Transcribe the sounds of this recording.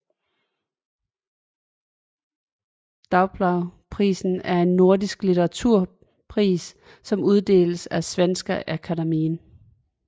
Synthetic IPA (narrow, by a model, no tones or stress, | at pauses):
d̥ɑ̈ʊb̥lɑʊpʰʁḭːsn̩æɐe̝nːo̝ɐdisɡ̥lit͡sʰeʁɑ̈t͡sʰuɐ̰ | pʰʁḭːs | sɒ̽muð̞ˠd̥e̝̰ːləsæsʋensɡ̥ɐʔækʰædæmiːn